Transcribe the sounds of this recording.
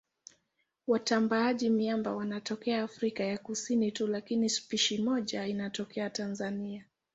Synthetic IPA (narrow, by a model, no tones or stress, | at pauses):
watambaaʄimiamba̰wanatɔkɛaːfɾikajakusinitulakinispiʃimɔʄainatɔkʰɛatanzania